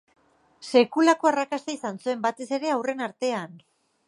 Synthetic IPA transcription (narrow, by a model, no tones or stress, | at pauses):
se̞kulako̞arakast̪aisansue̞mbat̪e̞se̞ɾe̞awre̞naɾt̪e̞an